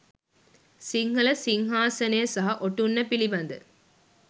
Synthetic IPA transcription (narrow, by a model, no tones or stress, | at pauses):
siŋɡɐlɐsiŋɦaːsɐneːɐsɐɦɐʔoʈːunːɐpiliʋɐnd̪ɨ